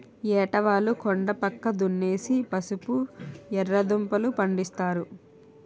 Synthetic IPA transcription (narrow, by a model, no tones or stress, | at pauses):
ɛːʈɐʋaːlukoɳɖɐpɐkːɐd̪unːeːsipɐsupuɛɾːɐd̪umpɐlupɐɳɖist̪aːɾu